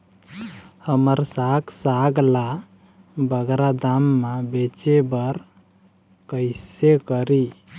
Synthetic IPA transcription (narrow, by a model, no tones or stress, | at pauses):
həməɾsaksaɡla | bəɡɾad̪amːabet͡ʃebəɾ | kəɪsekəɾi